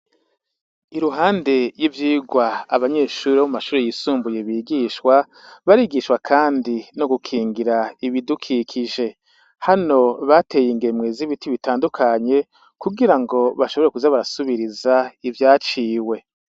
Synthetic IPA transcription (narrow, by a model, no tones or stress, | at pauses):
iɾuɦaːnde̞jivjiːɡwaaβaɲe̞ːʃuːɾeuumaʃuːɾejisuːmbuje̞βiːɡiʃwa | βaɾiːɡiʃwakʰaːndino̞ɡukʰiːŋɡiɾaiβidukʰikʰiʒe̞ | hano̞βate̞ːjiŋɡe̞mŋweziβitiβitaːndukʰaɲe̞ | kuɡiɾaŋɡo̞βaʃoβo̞ɾekuzaβaɾasuβiɾizaivjaːt͡ʃiːwe̞